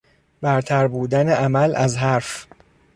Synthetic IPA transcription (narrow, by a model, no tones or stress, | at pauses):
bæɾt̪ʰæɾbuːd̪æneʔæmælʔæzɦæɾf